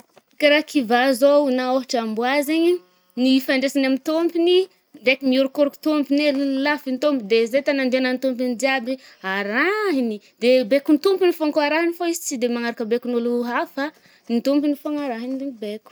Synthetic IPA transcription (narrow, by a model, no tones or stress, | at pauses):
kaɾakivazonaoɦaʈ͡ʂambuazeɲi | nifaɳɖ͡ʐesanamint̪ompini | ɳɖ͡ʐekimiuɾukuɾuku̥t̪ompinellafint̪ompid̪ezet̪anand̪eanant̪omp̬ind̪iabiaɾaɦini | d̪̥ebekunt̪umpinifoŋkaɾaɦinifoizi̥t͡sid̪emaŋaɾakəbekunuluɦafa | nit̪umpinifoaŋaɾaɦinid̪eɲibekʲu̥